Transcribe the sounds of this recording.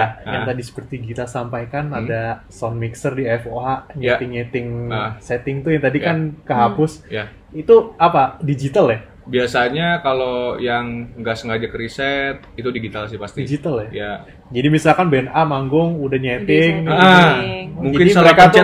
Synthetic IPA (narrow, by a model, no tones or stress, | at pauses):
ajaŋŋt̪adisə̥pərt̪iɡit̪asampajkanada | sɔnmiksərdiɛfoɦaʔɲɛt̪ɪŋɲɛt̪ɪŋsɛt̪ɪŋt̪ujaŋt̪adikankəɦapʊsja | it̪uapadid͡ʒit̪alɛ | biasaɲakalojaŋŋɡaʔsəŋɡad͡ʒakəɾisɛt̪̚it̪udiɡit̪als̬ɪpast̪idid͡ʒit̪alɛja | d͡ʒadimisalkanbɛnamaŋɡʊŋudahɲet̪ɪŋnəmuŋd͡ʒakɪiəɾekata